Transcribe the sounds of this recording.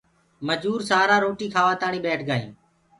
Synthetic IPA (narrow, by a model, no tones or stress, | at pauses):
məd͡ʒuːɾsaːɾaːɾoːʈiːkʰaːʋaːt̪aːɳiːɓɛːʈʰɡaːḭ̃ː